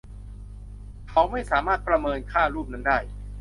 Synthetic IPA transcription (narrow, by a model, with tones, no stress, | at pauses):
kʰa˦˥wma˥˩jsaː˩˦maː˥˩t̪̚pɾa˧mɤː˧nkʰaː˥˩ɾuː˥˩p̚na˦˥ndaː˥˩j